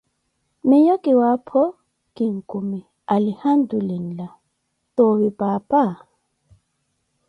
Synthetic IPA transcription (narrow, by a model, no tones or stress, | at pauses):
mɛjɔkʼiwapʰɔ | kiŋ̩kʼumɛ | alihandulin̩la | t̪ɔwipapʼa